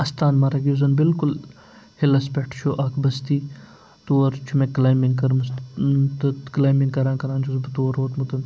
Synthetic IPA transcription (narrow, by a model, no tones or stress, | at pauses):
ɐst̪aːnmaɾɐɡozɐnbɪlkʊl | hɪlɐspeʈʰt͡ʃʰoːʔaːkʰbɐst̪iː | t̪uːɐɾt͡ʃʰumẽːklaːjmiŋɡkɐɾmst̪ɐklaːjmiŋɡkɐɾãːkɐɾaːnt͡ʃʰuzbt̪uʋɐɾoːt̪mut̪ɐn